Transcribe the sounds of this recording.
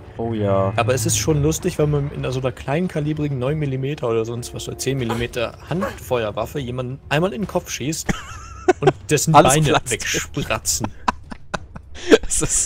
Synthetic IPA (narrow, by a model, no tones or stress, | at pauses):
ʔoːjaːʔaːbɐɛsɪstʃoːnlʊstɪçv̥ɛnmanɪ̰ndezoːnɐkʰl̥aɪnənkʰaliːbʁɪɡŋ̩nɔʏnmilimeːtʰɐʔoːdɐzɔnstv̥aso̰t͡seːnmilimeːtɐhantfɔʏɐvafəjeːmandn̩ʔaɪnmaːlɪnkʰɔpp͡fʃiːst | ʊntd̥ɛsn̩baɪnəvɛkʃpʁat͡sn̩ | ss